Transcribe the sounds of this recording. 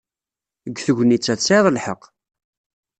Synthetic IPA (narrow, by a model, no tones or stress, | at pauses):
əɡθəʝʷnit͡sːæt͡sːeðˤəlħəq